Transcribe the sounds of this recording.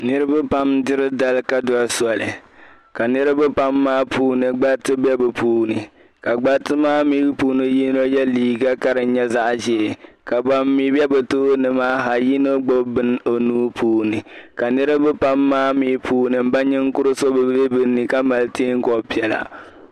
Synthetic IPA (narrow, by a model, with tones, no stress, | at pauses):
nɨ˦ɾɨ˦bɨ˦pa˦mdɨ˦ɾɨ˦da˦lka˦dɔ˦a˦sɔ˨lɨ˨ | ka˨nɨ˦ɾɨ˦bɨ˦pa˦mːaː˦pʰuː˦nɨ˨ɡ͡ba˦tɨ˦bɛ˦bɨ˨pʰuː˦nɨ˨ | ka˨ɡ͡ba˦tɨ˦maː˦miː˦puː˦nɨ˦ji˦no˦jɛ˦liː˨ɡa˦ka˦ɾɨ˨˦ɲɛ˦za˦ʔʒɛ˨ka˨ba˦mːiː˦bɛ˦bɨ˨toː˦nɨ˨maː˦ɦa˨ji˦no˦ɡ͡bo˦bɨ˦n˦o˨nuː˦pʰuː˦nɨ˨ka˨nɨ˦ɾɨ˦bɨ˦pa˦mːaː˦miː˦pʰuː˦nɨ˨m̩˦ba˦ɲɛ˦ŋ̩˦kʊ˦ɾɨ˦so˦bɨ˨˦e˦bɨ˦ni˨ka˦ma˨lteː˦ŋ̩˦kɔ˨pi˦ɛ˨la̰˨